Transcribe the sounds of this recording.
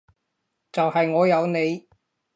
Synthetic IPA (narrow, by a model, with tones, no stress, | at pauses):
t͡sɐ˨whɐ˨jŋɔː˨˧jɐ˨˧wne˨˧j